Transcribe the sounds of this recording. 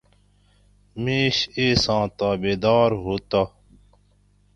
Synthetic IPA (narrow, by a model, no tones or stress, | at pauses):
miːɕeːsãːt̪aːbeːd̪aːɾɦoːt̪a